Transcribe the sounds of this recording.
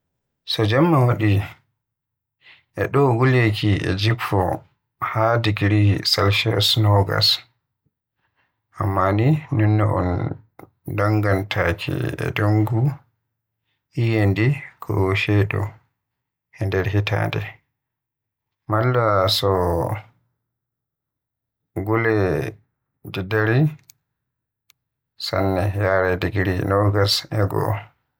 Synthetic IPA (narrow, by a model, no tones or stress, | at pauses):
sɔd͡ʒamːawaɗi | ʔɛɗɔɡulekʰiʔɛ̰d͡ʒifʰɔ | hadiɡiɾisalʃɛsnɔɡa̰s | ʔamːaninunːɛʔɔ̰n | daŋɡantʰakʰḭɛ̰duŋɡu | ʔijendikʰɔ̰ʃɛɗɔ̰ | ʔɛndɛɾhita̰ːndɛ | malːasɔ | ɡulɛ | d͡ʒɛdaɾi | sanːɛjaɾɛdiɡiɾinɔɡasɛɡɔ̰